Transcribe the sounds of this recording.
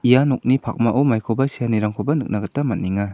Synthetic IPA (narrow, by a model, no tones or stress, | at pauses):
ijanɔk̚nipʰak̚maʔɔmajkʰɔbasijaniɾaŋkʰɔbanɯk̚naɡatːamat̚niŋa